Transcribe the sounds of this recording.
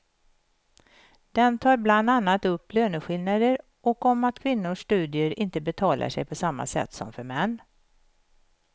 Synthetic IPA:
d̪̥ɛnt̪ʰɑːɾbland̪anːat̪ɵpːløːnəɧɪlnad̪əɾ | ʔɔkɔmat̪kʰvɪnːʊʂːt̪ʉ̟ːd̪ɪəɾɪnt̪əbɛt̪ʰɑːlʔa̰ʂɛ̰jpʰɔsamːa̰sɛ̰t̪ːsɔ̰mfœɾmɛnː

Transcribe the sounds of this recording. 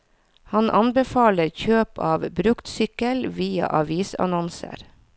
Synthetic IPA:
hɑnʔɑnbɛfɑːləɾçøːpɑːʋbɾʉkt̪sʏkəlʋiːɑ̰ʔɑʋiːsɑ̰nɔnsə̰ɾ

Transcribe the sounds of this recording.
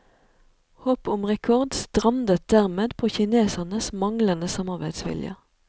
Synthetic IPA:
hoːpʊmʁɛkʰɔʁd̪st̪ʁɑmd̪ət̪̚d̪æʁmeːd̪pʰoːçɪneːsənəsmɑŋlənəsɑmɑʁbæɪd̪sʋɪ̰ljə̰

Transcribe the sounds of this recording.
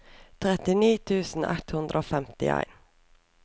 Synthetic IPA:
t̪ʰʁɛt̪ɪniːt̪ʰʉːsn̩ɛt̪hʉnd̪ɾəoːfɛmt̪ɪ̰æ̰ɪn

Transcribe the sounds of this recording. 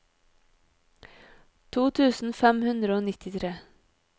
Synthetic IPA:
t̪ʰuːt̪ʰʉːsn̩fɛmhʉnd̪ɾəoːnɪt̪ɪt̪ʰɾeː

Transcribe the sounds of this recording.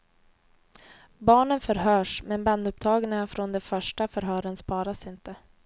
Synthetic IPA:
bɑːɳənfœɾɦœːʂmɛnbanːɵp̚t̪ʰɑːɡənafɾɔnd̪ɛfœʂʈafœɾɦœːɾənspɑːɾasɪnt̪ə

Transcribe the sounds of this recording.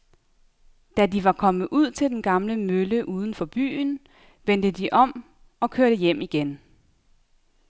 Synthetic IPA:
d̥ædiʋɑ̈kʰɒ̽mð̩ˠʔuð̞̰ˠt͡sʰe̝ld̥enɡ̥ɑ̈mləmøləʔuːð̞ˠən̩fɒ̽b̥y̰ːn̩ | ʋen̰d̥əd̥iʔɒ̽m̰ | ɒ̽kʰøɐ̰ɾ̥əjem̰iɡ̥en

